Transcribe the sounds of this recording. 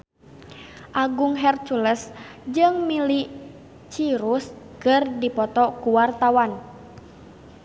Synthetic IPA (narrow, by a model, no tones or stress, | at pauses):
ʔaɡuŋɦɛrt͡ʃuləs | d͡ʒɨŋmili | t͡ʃiɾus | kɨrdipɔt̪ɔkuwart̪awan